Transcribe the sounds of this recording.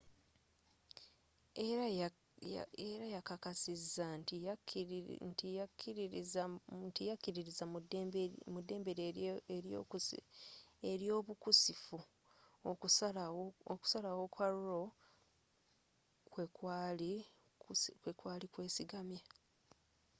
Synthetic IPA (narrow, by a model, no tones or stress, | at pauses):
eɾa | eɾajakakasizːant | ntijakːiɾizantijakːiɾiɾizadmudːe̞ːmbeɾeeɾo̰ku | eɾjo̞ːβukusifu | o | oku̥salawo̞kwaɾuɾo̞ | kwekwaːli | kwekwaːlikwe̞ːsiɡamja